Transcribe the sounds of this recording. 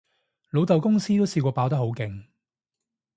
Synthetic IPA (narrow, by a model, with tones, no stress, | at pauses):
lo˨˧wt̪ɐ˨wkʊ˥ŋsiː˥t̪o˥wsiː˧kʷɔː˧paː˧˥wt̪ɐ˥ho˨˥wkɪ˨ŋ